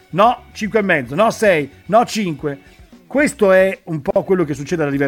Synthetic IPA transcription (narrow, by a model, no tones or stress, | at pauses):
nɔt͡ʃiŋkwemːɛd̪zːonɔsɛj | nɔt͡ʃiŋkwe | kwest̪oɛumpɔɔkwelːokesːut͡ʃːeːd̪ealːalive